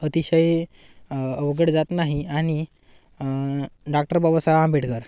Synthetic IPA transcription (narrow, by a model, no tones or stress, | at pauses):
ət̪iɕəj | əʋɡəɽd͡zat̪naɦiaɽ̃i | ɖak̚ʈəɾbabəsaãmbʱeʈkəɾ